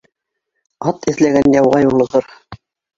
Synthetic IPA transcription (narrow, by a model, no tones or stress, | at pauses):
ɑt̪ɘ̆θlæɡænjɑwʁɑjulˠɤ̆ʁɤɾ